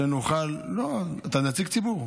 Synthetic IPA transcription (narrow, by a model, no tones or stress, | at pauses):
enoχalːoat̪anat͡siɡt͡sibuʁ